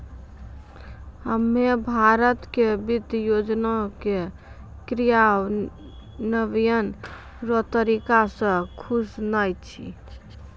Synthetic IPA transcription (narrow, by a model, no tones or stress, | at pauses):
ɦəmːebʱaɾət̪kebit̪jod͡ʒnake | kɾija | nəbijən | ɾɔt̪əɾikasə̃kʰusnəjt͡ʃʰḭ